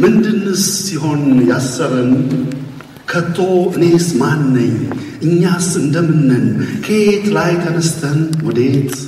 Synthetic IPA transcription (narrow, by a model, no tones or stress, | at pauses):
mɨnd̪ɨnːɨsːiɦo̞njasːəɾənu | kʰət̪ʰːo̞ʔɨne̞smanːəɲː | ʔɨɲːasɨnd̪əmɨnːənukʰet̪lajk̪ʰənəst̪ʰənwɔd̪et̪